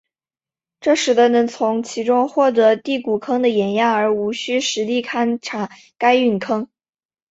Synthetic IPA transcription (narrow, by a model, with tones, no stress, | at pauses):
ʈ͡ʂɤ˥˩ʂɻ̩˧˥d̪ə˧nɤ˧˥ŋt͡sʰʊ˧˥ŋt͡ɕʰi˧˥ʈ͡ʂʊ˥ŋxwɔ˥˩t̪ɤ˧˥t̪i˥˩ku˨˩kʰɤ˥ŋd̪ə˨jɛ˨˩nja˥˩ŋə˞˧˥u˧˥ɕy˥ʂɻ̩˧˥t̪i˥˩kʰa˥˩nʈ͡ʂʰa˨˩ | ka˥ɪy˥˩nkʰɤ˥ŋ